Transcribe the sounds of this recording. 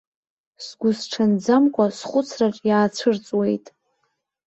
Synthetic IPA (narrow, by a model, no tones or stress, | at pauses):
sɡʷʊsʈ͡ʂʰand͡zamkʷʼasχʷʊt͡sʰraʈ͡ʂʼjaːt͡sʷʰɨrt͡sʼwe̞jtʼ